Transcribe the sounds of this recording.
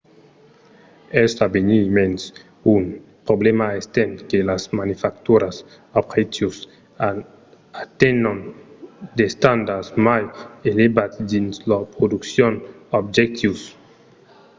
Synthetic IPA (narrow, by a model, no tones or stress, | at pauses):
ɛst̪abenimens | unpɾoblemaest̪enkelazmanifakt̪uɾas | abʁet̪jus | at̪enan | d̪est̪and̪asmajelebat̪d̪inslapɾod̪uksjonɔb̚d͡ʒek̚t̪jus